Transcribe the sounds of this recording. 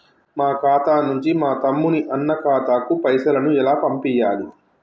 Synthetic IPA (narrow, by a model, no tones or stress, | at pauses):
maːkaːt̪aːnuɲt͡ʃimaːt̪ɐmːuniʔɐnːɐkaːt̪aːkupɐjsɐlɐnuɛlaːpɐmpijːaːli